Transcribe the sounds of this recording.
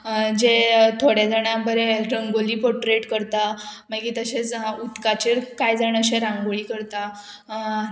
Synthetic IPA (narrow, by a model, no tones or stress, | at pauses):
d͡ʑet̪ʰoɽjad͡zaɽ̃abəɾeɾəŋɡoliːpoʈɾeʈkəɾt̪amaɡiːt̪əɕet͡sut̪kat͡ɕeɾkajd͡zaɽ̃nəɕeɾãŋɡoɭiːkəɾt̪a